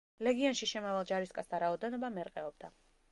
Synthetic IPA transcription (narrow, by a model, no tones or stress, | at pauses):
lɛɡianʃiʃɛmavalˠd͡ʒaɾiskʼasd̪aɾaɔd̪ɛnɔbamɛɾqʼɛɔb̚d̪a